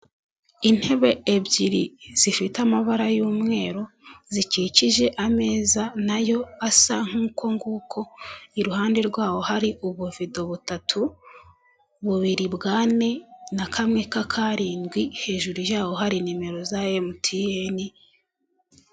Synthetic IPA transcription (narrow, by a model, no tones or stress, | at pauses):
in̥he̞βe̞ebɟiɾiz̥ifitamaβaɾajuːmŋe̞ːɾo̞ | ziciciʒe̞ʔame̞ːzanajo̞asaŋ̥huːko̞ŋɡuːkʰo̞iɾuhaːndeɾɡwaːho̞haɾiʔuβuvido̞βutatʰu | βuβiɾibɡaːne̞nakʰamŋekakʰaɾiːnɡwihe̞ːʒuɾujaːho̞ɦaɾinime̞ɾo̞zajemutʰijeni